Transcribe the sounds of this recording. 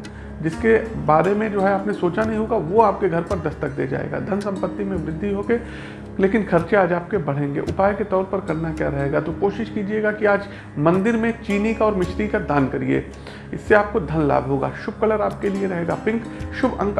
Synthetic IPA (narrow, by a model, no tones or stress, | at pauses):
d͡ʒɪskebaːɾemẽd͡ʒoːɦɛaːpnesoːt͡ʃanɐɦĩɦoːɡaʋoaːp̚keɡʱɐɾpɐɾd̪ɐst̪ək̚d̪ḛːd͡ʒa̰ːḛːɡa̰ːd̪ʱɐnsɐ̃mpət̪ːimẽʋɾɪd̪ʱːiɦoːɡe | leːkɪnxʰɐɾt͡ʃeaːd͡ʒaːp̚kebɐɽ̤ẽːŋɡḛːʔʊpaːjket̪ɔːɾpɐɾkɐɾnakjaːɾɐɦeːɡat̪okoːʃɪʃkiːd͡ʒieːɡakiaːd͡ʒ | mɐ̃nd̪ɪɾmẽt͡ʃiːnikaɔːɾmɪʃʰɾikad̪aːnkɐɾiḛː | ɪ̰sːeaːp̚kod̪ʱɐnla̰ːbɦoːɡa̰ːʃʊb̚kɐləɾaːp̚kelieɾɐɦeːɡaːpɪ̃ŋkʃʊbɐ̰̃ŋk